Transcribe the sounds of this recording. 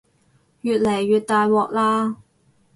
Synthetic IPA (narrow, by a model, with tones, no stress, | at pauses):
jyː˨˧t̚le˨˩jːyː˨t̚t̪aː˨˧jwɔː˨˧k̚laː˧